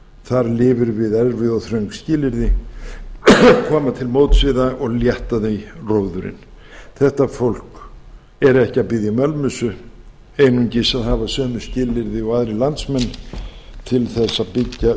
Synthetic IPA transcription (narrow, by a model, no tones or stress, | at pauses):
θaɾlɪːvʏɾvɪðɛɾvɪɔθɾœɥŋkscɪːlɪɾðɪ | kʰɔːmat̪ʰɪlmowt̪svɪðaʔɔɣljɛht̪aðejroːwðʏɾɪ̰n | θɛht̪afowl̥k | ɛɾɛhcɪaðpɪðjamɛlmʏsʏ | eːjnuɲcɪsaðhavasœːmʏ̥scɪːlɪɾðɪɔɣaðɾɪlant̪smɛnːt̪ʰɪlθɛsːapɪcːa